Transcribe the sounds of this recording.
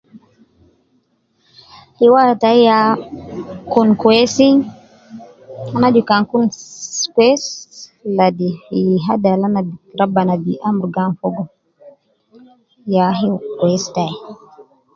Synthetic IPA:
liwataija | kunkwesiŋ | anad͡ʒukaŋkunkɛsladiɦadalanadiɾabanadiʔamuɾɡanfɔɡɔ | jaɦikwɛstai

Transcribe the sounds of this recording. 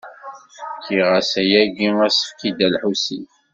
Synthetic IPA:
fəkʰːiʁæsæjæɡiŋæsə̥fkid̪ælħusiθ

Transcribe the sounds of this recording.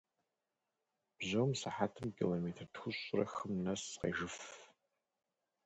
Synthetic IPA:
b̥zɐwmsɨħaːtʰɨmkʰḭloːmeːtʰɐrtxʷʊɕʼʊrɐ̰xɨmnɐsqḛːʒɨf

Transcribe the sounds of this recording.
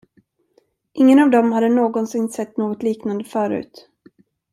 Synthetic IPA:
ʔɪŋːənavd̪ɔmhad̪ːənoːɡɔnsɪnsɛt̪ːnoːɡɔt̪liːknand̪əfœːɾʉ̰ːt̪

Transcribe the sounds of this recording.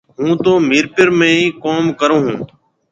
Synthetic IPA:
ɦũːt̪oːmiːɾpɪɾmẽːĩːkoːmkəɾõːɦũː

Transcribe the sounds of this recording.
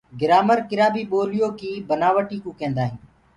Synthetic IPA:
ɡɪɾaːməɾkɪɾaːbiːɓoːlɪjoːkiːbənaːʋəʈiːkũːkẽːnd̪aːɦĩː

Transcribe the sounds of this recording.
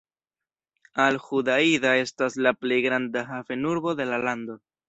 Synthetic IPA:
alhudaidae̞staslaple̞jɡɾandaɦafe̞nuɾbo̞de̞lalando̞

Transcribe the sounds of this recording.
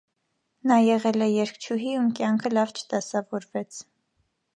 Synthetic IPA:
nɑjɛʁɛlɛjɛɾkʰt͡ʃʰuɦiumkjɑŋkʰəlɑvt͡ʃʰə̥d̪̥ɑsɑvɔɾvɛt͡sʰ

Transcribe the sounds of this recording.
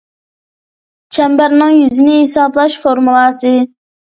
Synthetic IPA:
t͡ʃʰɛmbæɾnɨŋjyzɪnɪhesɑːblˠɑʃfoɾmulˠɑːsɨ

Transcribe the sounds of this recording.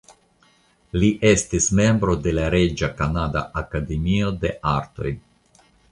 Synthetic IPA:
liʔe̞stisme̞mbɾo̞de̞laɾe̞d͡ʒakanada̰ʔakade̞mio̞de̞ʔaɾto̞̰j

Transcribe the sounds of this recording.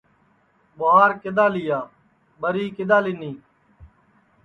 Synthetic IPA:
boɦaːɾkɪd̪aːlɪjaː | bəɾiːkɪd̪aːlɪniː

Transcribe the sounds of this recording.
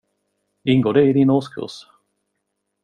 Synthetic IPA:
ɪŋɡoːd̪ɛɪd̪ɪnoːskʰɵ̰s

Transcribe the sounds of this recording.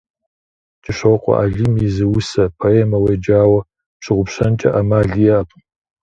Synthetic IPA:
t͡ʃʼɪʂoqʷʼɔ̰ʔa̰ɮimizɨwʊsɐpʰoeːmɐwejd͡ʒaːwɐ | pɕɨʁʷʊpɕɐnt͡ʃʼɐ̰ʔamaːɮiɛapʷʼ

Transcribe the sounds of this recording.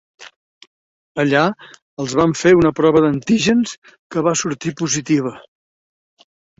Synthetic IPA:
əʎa | əlˠzβaɱfeunəpɾɔβəðənt̪iʒəns | kəβasuɾt̪ipuzit̪iβ̞ə

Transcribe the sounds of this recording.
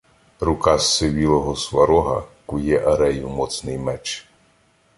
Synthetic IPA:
ɾʊkasːɪʋʲilˠɔɦɔsʋɐɾɔɦɐkujɛʔɐɾɛjumɔt̪snɪjmɛt͡ʃ

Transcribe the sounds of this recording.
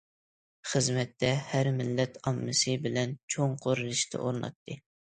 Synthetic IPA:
χəzmɛt̪ːɛhæɾmɪlːɛt̪ʰɑmːɨsɨbɪlɛnt͡ʃʰoŋqʰoɾɨlˠɨʃt̪ʰɨ̰ʔoɾnˠɑ̰t̪ːɨ

